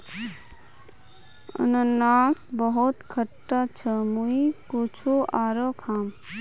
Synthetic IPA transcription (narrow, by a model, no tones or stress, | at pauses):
ə̰nənaːsbəɦot̪kʰəʈːat͡ʃʰəmuikot͡ʃʰoʔaːɾokʰaːm